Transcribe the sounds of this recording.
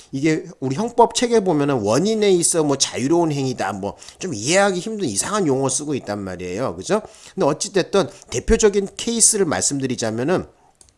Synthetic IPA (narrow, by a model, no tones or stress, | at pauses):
iɡe̞uɾiçjʌŋp͈ʌp̚t͡ɕʰe̞ɡebomjʌnɯnwʌɲine̞is͈ʌmwʌt͡ɕajuɾounɦe̞ŋida̰mwʌt͡ɕomiɦe̞ɦaɡiçimdɯnisʰaŋanjoŋʌs͈ɯɡoit̚t͈anma̰ɾiḛjokɯd͡ʑokɯndeʌt͡ɕ͈it͈e̞t͈ʌnte̞pʰjod͡ʑʌɡinkʰe̞is͈ʰɯɾɯɭma̰ɭs͈ɯmdɯɾid͡ʑamjʌnɯn